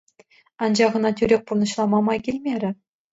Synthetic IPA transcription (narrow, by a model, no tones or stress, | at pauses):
ɑnd͡ʑɑʁɤ̆nɑtʲyɾʲek̚ʲpurnɤ̆ɕlˠɑmɑmɑjkʲilʲmʲeɾʲɘ̆